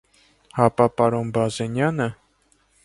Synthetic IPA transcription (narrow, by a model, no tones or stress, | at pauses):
hɑpɑpɑɾɔnbɑzɛnjɑnə